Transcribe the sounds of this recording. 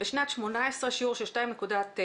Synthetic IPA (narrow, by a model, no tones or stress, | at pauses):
beʃnat̪ʃmo̞naesʁeʃiuːʁʃelʃtajimnekud̪at̪